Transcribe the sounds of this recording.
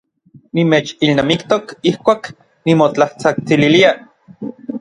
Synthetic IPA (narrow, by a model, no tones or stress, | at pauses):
nimeːt͡ʃilnaːmikt̪okihkʷaːk | nimot͡ɬaht͡sak̚t͡sililia